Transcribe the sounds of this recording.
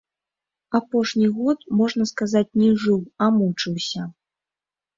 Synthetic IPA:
apɔʂnʲiɣɔt̪mɔʐnɐskazat͡sʲnʲɛʐɨwamut͡ʂɨwsʲɐ

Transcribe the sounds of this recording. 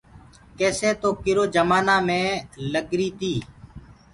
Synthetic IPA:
keːsẽːt̪oːkɪɾoːd͡ʒəmaːnaːmẽːləɡɾiːt̪iː

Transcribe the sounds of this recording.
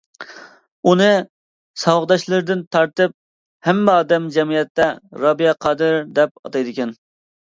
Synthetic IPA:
unɨ | sɑwʁd̪ɑʃlˠɨɾɪd̪ɪnt̪ʰɑɾt̪ɨp̚ | hɛmːɑːd̪ɛmd͡ʒɛmijɛt̪ːɛɾɑbijɛqʰɑːd̪ɨɾd̪ɛp̚ɑ̰t̪ɑjd̪ɪkʲɛn

